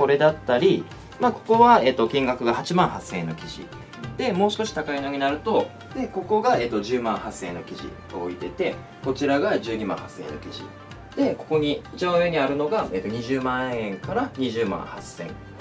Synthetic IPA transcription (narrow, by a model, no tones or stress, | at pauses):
o̞ɾe̞d̪at̪ːaɾʲi | maːko̞ko̞βae̞ːt̪ːo̞kʲĩŋɡakɯ̟ɡahat͡ɕimãɰ̃hasẽ̞̰nːo̞kʲiʑḭ | d̪̥e̞mo̞ːɕi̥ko̞ɕi̥t̪akainoɲ̟inaɾɯ̟t̪o̞ | d̪̥e̞ko̞ko̞ɡae̞ːt̪ːo̞ʑɨːmãɰ̃hasẽ̞̰nːo̞kʲiʑḭ | oːit̪e̞t̪e̞ | ko̞t͡ɕiɾaɡaʑɨːɲ̟imã̰hasẽ̞̰nːo̞̰kʲiʑḭ | d̪̥e̞ko̞̥ko̞ɲ̟iːt͡ɕibãɯ̟βe̞ɲ̟iaɾɯ̟no̞ɡae̞ːt̪ːo̞ɲ̟iʑɨːmãɰ̃ẽ̞ŋkaɾaɲ̟iʑɨːmã̰ɰ̃hasẽ̞̰ŋ